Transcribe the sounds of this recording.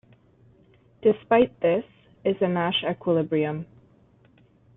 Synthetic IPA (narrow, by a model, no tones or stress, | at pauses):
d̥ɨspaɪt̪̚ðɪs | ɪzɨnæʃɛkʰwəlɪbɹiɨ̃m